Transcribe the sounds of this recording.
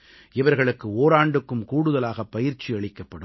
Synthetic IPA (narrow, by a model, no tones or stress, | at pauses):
ʔɪʋɐɾɣɐɭɯkːɯoːɾaːɳɖɯkːɯmkuːɽɯðɐlaːɣɐpːɐjɪɾt͡ʃːiɐɭɪkːɐpːɐɽɯm